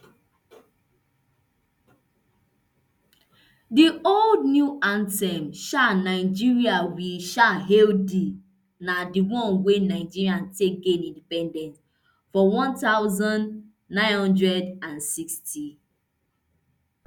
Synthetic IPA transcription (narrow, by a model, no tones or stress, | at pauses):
dioldnjuãntɛmʃanaɪd͡ʒiɹiawiʃaɦeldi | nadiwɔ̃nwenaɪd͡ʒiɹiãntek̚ɡẽnĩndipɛ̃ndɛ̃nt | fɔwɔ̃ntaʊzɔ̃nː | ãɪ̃nhɔ̃ndɹɛdãnsiksti